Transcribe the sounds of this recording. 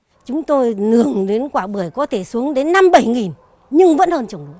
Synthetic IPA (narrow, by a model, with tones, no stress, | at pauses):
t͡ɕʊ˨˦ŋ͡mt̪o˧jnɨ˧˩əŋɗe˨˦nkwaː˧˩ɓɨ˧˩əjkɔ˨˦t̪ʰe˧˩su˨˦əŋɗe˨˦nːa˧mɓə˧˩jŋi˨˩n | ɲɨ˧ŋvə̰˧˥nhəː˧nt͡ɕə˧˩ŋ͡mɗu˨˧˦